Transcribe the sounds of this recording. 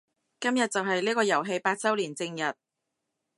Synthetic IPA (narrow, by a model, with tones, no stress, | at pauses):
kɐ˥mjɐ˨t̚t͡sɐ˨wɦɐ˨jliː˥kɔː˧jɐ˨˩wɦe˧jpaː˧t̚t͡sɐ˥wliː˨˩nt͡sɪ˧ŋjɐ˨˩t̚